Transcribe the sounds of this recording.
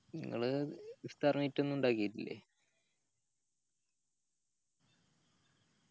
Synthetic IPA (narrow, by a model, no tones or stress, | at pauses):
nḭŋːɐ̰ɭɨʋist̪aːrmitːe̞nːuɳɖaːkijitːilːḛ